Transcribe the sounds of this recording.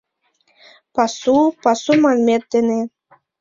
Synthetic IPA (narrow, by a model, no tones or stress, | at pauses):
pɑsupɑsumɑlʲmet̪̚d̪ene